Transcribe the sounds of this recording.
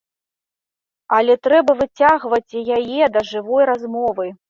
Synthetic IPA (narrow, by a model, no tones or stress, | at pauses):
alʲɛt̪ɾɛbɐvɨt͡sʲaɣvɐt͡sʲjajɛd̪ɐʐɨvɔjɾazmɔvɨ